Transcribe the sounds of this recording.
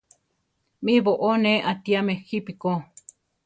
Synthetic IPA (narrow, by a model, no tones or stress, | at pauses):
mĩβoʔoneʔat̪iamexipiko